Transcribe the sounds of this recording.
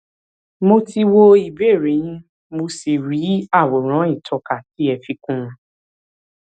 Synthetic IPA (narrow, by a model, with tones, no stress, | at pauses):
mo˧ti˧wo˧i˨be˦˨ɾe˨˦j̃ĩ˦ | mo˧se˨ɾi˨˦a˦˨wo˨ɾ̃ã˨˦ĩ˦˨tʰɔ˧ka˨ki˨˦ɛ˧˨fi˧kũ˦˧ɾũ˧